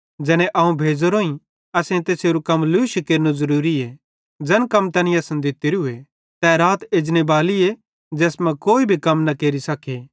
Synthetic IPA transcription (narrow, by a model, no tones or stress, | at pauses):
d͡ʒɛːñeʔɐũbʱeːd͡ʒoɾoːĩ | ɐsẽt̪eːseɾukɐmluʃkeːɾnozɐɾuːɾie | d͡ʒɐnkɐmt̪ɐnɪ̃ɐsɐ̃nd̪ɪt̪iɾiʊe | t̪ɛɾaːt̪eːd͡ʒnebaːlie | d͡ʒɛːsmɛ̃koːibʱikɐmnɐkeːɾisɐkʰe